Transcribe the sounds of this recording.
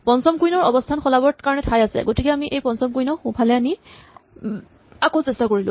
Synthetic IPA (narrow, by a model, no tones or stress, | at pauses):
pɔnsɔmkujnɔɹɔbɔstʰanxɔlabɔɹtkaɹɔnɛtʰajasɛ̰ɡotikɛamiʔejpɔnsɔmkujnɔxũpʰalɛani | akosɛstakoɹilʊ̰̃